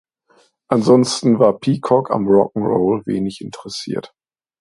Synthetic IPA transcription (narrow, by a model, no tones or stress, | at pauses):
ʔanzɔnstn̩vaːɐpʰiːkʰɔkʰa̰mʁɔkŋ̩ʁo̰ːlvḛːnɪçʔɪntʰəʁɛsḭːɐt